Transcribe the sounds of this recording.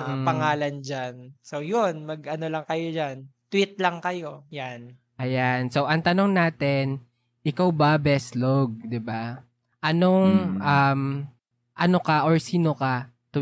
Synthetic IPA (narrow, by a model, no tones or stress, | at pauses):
pɐŋaːlɐnd͡ʒansowjonmɐɡʔɐnolɐŋkɐjod͡ʒant̪wit̪̚lɐŋkɐjo̞jan | ʔɐjanso̞wʔɐŋt̪ɐno̞ŋnaːt̪ɛn | ʔɪkawbabɛsloɡ̚d̪ɪba | ʔɐno̞ŋʔɐm | ʔɐno̞kaʔoɹsiːnoka | t̪ʊ